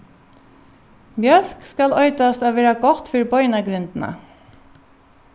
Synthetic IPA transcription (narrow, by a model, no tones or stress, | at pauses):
mjœlkskɑlœʏt̪ɑst̪ɑːʋeːɾɑɡɔt̪fœɹbœʏnəɡɾʏnd̪n̩ə̰